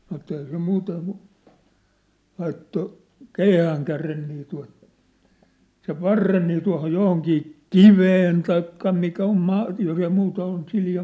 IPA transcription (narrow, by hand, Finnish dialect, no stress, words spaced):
sɑnŏ etːæ eihæ se muːteŋ kŭ lɑitːo keihæːŋkæren niː tuɑ̝t seʋ ʋɑrːen niː tuɑ̝hoj johoŋkiː kiʋeːn tɑikːɑ mikæ om mɑː jos ei muːtɑ ol nĭ siljɑ